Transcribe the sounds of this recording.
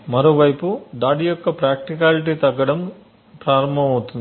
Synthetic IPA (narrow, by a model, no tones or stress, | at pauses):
mɐɾoːʋɐjpud̪aːɽijɔkːɐpɾaːk̚ʈik̬aːliʈiːt̪ɐɡːɐɽɐm | pɾaːɾɐmbʱɐmɐwut̪und̪i